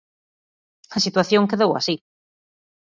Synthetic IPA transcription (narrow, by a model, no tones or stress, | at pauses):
ɐsit̪waθjõŋkeðowa̰si